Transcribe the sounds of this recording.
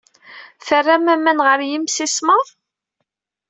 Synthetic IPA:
θərːæmæmænʁəɾjimsisməðˤ

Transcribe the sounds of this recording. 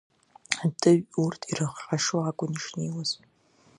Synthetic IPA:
atʰɨɥurtʰirɨχħaʂwaakʷʼʊniʂniwaz̥

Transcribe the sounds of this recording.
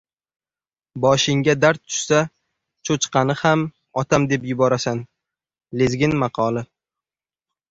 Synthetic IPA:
bɒʃɪŋɡʲad̪aɾt̪̚ʰːʊ̥ʃsa | t͡ʃʰot͡ʃqɑnɪham | ɒt̪ʰamd̪e̞pjʊbɒɾasan | lezɡʲɪnmɑqʰɒlˠɪ

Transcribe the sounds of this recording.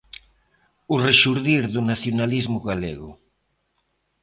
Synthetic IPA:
ureʃuɾðiɾðunaθjonalizmʊɣalḛɣʊ̰

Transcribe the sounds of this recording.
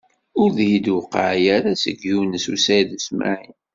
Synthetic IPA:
ʊɾðjid̪wʊqə̰ʕjaɾasə̰ɡjunəsusæjðəsma̰ʕin

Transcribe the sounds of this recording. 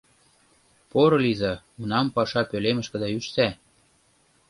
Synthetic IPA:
poɾɤ̆lizɑ | unɑmpɑʃɑpølemə̆ʃkə̆d̪æyʃt̪æ

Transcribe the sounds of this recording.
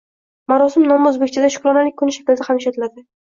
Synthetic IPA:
maɾɒsɪmnɒmɵzbekʲt͡ʃʰad̪aʃʊ̥kɾɒnalɪk̚ʲkʰːʊnɪʃḁkʲɪld̪ahamɪʃɒt̪ɪlad̪ɪ

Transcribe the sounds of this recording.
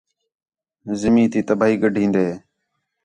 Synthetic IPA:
zɪmĩːt̪iːt̪əbaːɦiːɡəɖʱĩːnd̪eː

